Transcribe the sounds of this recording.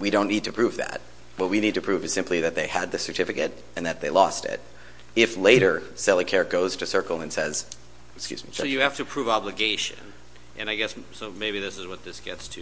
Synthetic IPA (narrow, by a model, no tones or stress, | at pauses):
wiɾõʊ̃nːid̚tʰɨpʰɹ̥ʉvðæ̰t̚ | wʌt̚winid̚tɨpʰɹ̥ʉvɨz̥sɪ̃mpʰliðɨt̪̚ðeɪɨd̪̚ðɨsə˞tʰɪfɨkɨɾ | ɨ̃nðɨt̪̚ðeɪlɔstɪ̰t̚ | ɪfleɪɾə˞sɛlˠəkʰɛɹɡoʊz̥tʰɨsɜ˞kl̩ˠə̃nsɛz̥ | kskjʉ̰zmḭjɨhæftɨpʰɹ̥uvɑblɨɡeɪʃɨ̰̃n | ʔɨ̰̃naɪɡɛssoʊmeɪbiðɪsɨzwʌt̪̚ðɪsɡ̥ɛtstʰɨ